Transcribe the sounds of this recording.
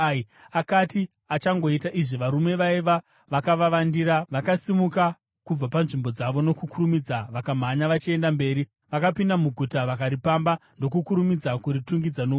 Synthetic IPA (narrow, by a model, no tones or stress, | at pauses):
akati | at͡ʃaŋɡo̞itaʔiʐiʋaɾume̞ʋaiʋa | ʋakaʋaʋandiɾaʋakasimuka | kub͡vapanʐimbo̞d͡zaʋo̞no̞kukuɾumid͡zaʋakam̤aɲaʋat͡ʃie̞ndambe̞ːɾi | ʋakapindamuɡʱutaʋakaɾipambando̞kukuɾumid͡zakurituŋɡid͡zano